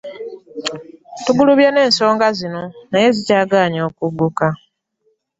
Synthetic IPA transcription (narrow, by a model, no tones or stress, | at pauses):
tuɡuluβjane̞ːnso̞ːŋɡazino̞naje̞zicaːɡaːɲo̞ːkuɡːuka